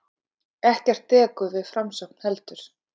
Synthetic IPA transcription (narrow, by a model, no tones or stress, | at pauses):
ɛhcɛr̥t̪ʰːɛːkʏðvɪðfɾamsœk̚n̥hɛlt̪ʏɾ̥